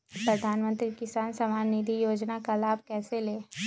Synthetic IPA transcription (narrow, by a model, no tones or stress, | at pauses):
pɾɐd̪ʱaːnmə̃nt̪ɾikɪsaːnsɐmaːnːid̪ʱijoːd͡ʒnakalaːb̚ʱkɛːseleː